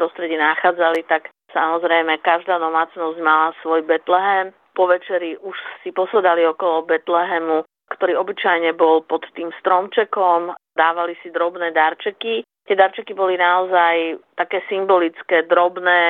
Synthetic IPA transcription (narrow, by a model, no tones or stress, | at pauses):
pɾɔst̪ɾɛɟinaxaːd͡zalit̪ak | samɔzɾɛjmɛkaʒd̪aːd̪ɔmaːt͡snɔzɟmalasʋɔjbɛt̪lɛɦɛm | pɔʋɛt͡ʃɛɾiʔuʃsipɔsɛd̪aliɔkɔlɔbɛt̪lɛɦɛmu | kt̪ɔɾiːɔbit͡ʃajɲɛbɔlpɔt̪ːiːmst̪ɾɔmt͡ʃɛkɔmd̪aːʋalisid̪ɾɔbnɛːd̪aɾt͡ʃɛki | t̪ɪɛd̪aɾt͡ʃɛkibɔlinaɔzajt̪akɛːsimbɔlit͡skɛːd̪ɾɔbnɛː